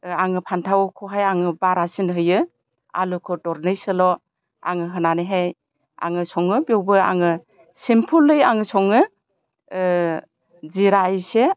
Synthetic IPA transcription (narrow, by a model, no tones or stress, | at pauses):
aŋɯpʰantʰawkʰɔɦajaŋɯbaɾasinɦɯjɯ | a̰lukʰɔtɔɾnɯjsɯlɔ | a̰ŋɯɦɯnaniɦaj | a̰ŋɯsɔŋɯbiowbɯa̰ŋɯ | simpʰulːɯjaŋɯsɔŋɯ | ziɾaijse